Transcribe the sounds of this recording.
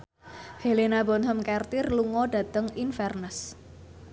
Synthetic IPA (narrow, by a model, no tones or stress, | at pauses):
helenabɔnɦəmkɛrt̪ɪrluŋɔda̤t̪əŋinfɛrnəs